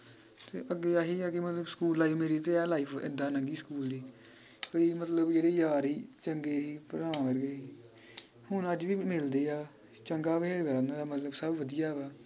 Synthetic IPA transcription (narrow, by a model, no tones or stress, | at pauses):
t̪ḛːʔəɡːeːaːɦiːaːkɪmət̪ləbskuːlːaːiːmeːɾiːt̪eːɛːlaːipʰɪ̰d̪aːnəŋɡiːskuːld̪iː | kəiːmət̪ləbd͡ʒeːɽeːjaːɾɦiːt͡ʃəŋɡeːɦiːpəɾaːʋəɾɡeːiː | hʊnəd͡ʒʋiːmɪld̪eːaː | t͡ʃəŋɡaːʋeʋəɾãːnd̪aːd̪aːmət̪ləbsəbʋəd̪ɪjaːʋaː